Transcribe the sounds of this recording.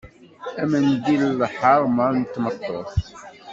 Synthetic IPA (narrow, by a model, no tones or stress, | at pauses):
æmənd̪illħəɾˤmənt̪ːmət̪ˤːoθ